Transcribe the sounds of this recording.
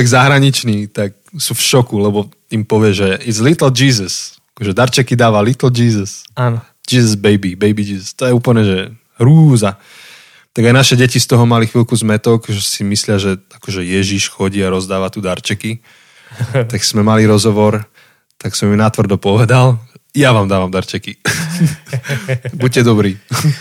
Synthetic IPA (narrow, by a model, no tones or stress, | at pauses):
ɛɡzaɦɾaɲit͡ʃniːt̪ak̚sufʃɔkulɛbɔ | impɔʋɪɛʒɛizlit̪l̩d͡ʒiːzəsakɔʒɛd̪aɾt͡ʃɛkid̪aːʋalit̪l̩d͡ʒiːzəsan | d͡ʒiːzɔzbɛjbibɛjbid͡ʒiːzəst̪ɔjɛuːpl̩ɲɛʒɛ | ɦɾuːza | t̪aɡajnaʃɛɟɛcist̪ɔɦɔmalixʋilkuzmɛt̪ɔkʒɛsimislɪaʒɛakɔʒɛjɛʒiʃxɔɟiːaɾɔzd̪aːʋat̪uːd̪aɾt͡ʃɛki | t̪aɡsmɛmaliɾɔzɦɔʋɔɾ | t̪aksɔmimnat̪ʋr̩d̪ɔpɔʋɛd̪aljaʋaːmd̪aːʋamd̪aɾt͡ʃɛki | buɟ̚cɛd̪ɔbɾiː